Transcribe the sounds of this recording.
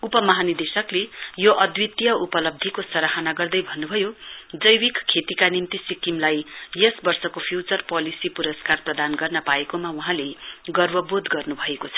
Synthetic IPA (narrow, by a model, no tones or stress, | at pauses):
upʌmʌɦanid̪esʌklejoʔʌd̪wit̪jʌupʌlʌb̚d̪ʱikosʌɾaɦanaɡʌrd̪ʌjbʱʌnːubʱʌjod͡zʌjwikkʰːet̪ikanimt̪isikimlajjʌsbʌrsʌkopʰjut͡sʌrpʌlisipuɾʌskarprʌd̪anɡʌrnʌpaekomawuɦãleɡʌrbʌbod̪ɡʌrnubʱʌekot͡sʰʌ̥